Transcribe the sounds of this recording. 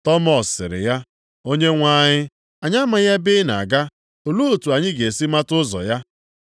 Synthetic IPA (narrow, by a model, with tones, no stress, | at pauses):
tɔ˦mɔ˨sːɪ̰˨ɾɪ̰˨ja˦ | o˦ɲe˦ŋʷa˦ɲɪ˦ | a˨ɲa˦ma˦ja˦bɪ˦na̰˨ɡa˦ | o˨lu˦o˨tu˨a˨ɲɪ˦ɡe˨si˦ma˦tʊ˦zɔ̰˨ja˦